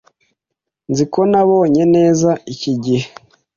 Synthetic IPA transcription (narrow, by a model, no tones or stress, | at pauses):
nzikonaβo̞ːɲe̞ne̞ːzaiciɟihe